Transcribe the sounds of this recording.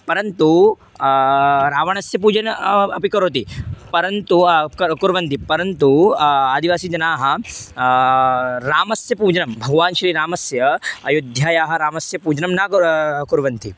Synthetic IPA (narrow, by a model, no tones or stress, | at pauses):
pɐɾɐnt̪u | ɾaːʋɐɳɐsjɐp̬uːd͡ʒɐnɐpikɐɾoːt̪̬ipɐɾɐnt̪ukɐkuɾʋɐnt̪ipɐɾɐnt̪uaːd̪iʋaːsid͡ʒɐnaːɦɐ̆ | ɾaːmɐsjɐpuːd͡ʒɐnɐmbʱɐɡɐʋaːnʃɾiːɾaːmɐsjɐɐjud̪ʱjaːjaːɦɐ̆ɾaːmɐsjɐpuːd͡ʒɐnɐmnaːkuɾʋɐnt̪ʰi